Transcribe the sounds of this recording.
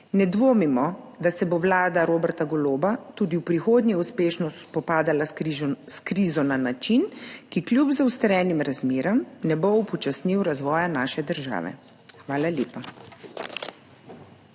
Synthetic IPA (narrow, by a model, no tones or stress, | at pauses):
nɛd̪ʋoːmimɔd̪asɛboʋlaːd̪aɾoːbɛɾt̪aɡɔloːbat̪uːd̪iwpɾixoːd̪nʲɛuspeːʃnɔspɔpaːd̪alaiʒskɾiːzɔnanat͡ʃinkiklʲjupzawst̪əɾɛːnimɾazmeːɾɔmnɛboupɔt͡ʃasniwɾazʋɔːjanaːʃɛd̪əɾʒa̰ːʋɛ̰ | xʋaːlalʲjeːpa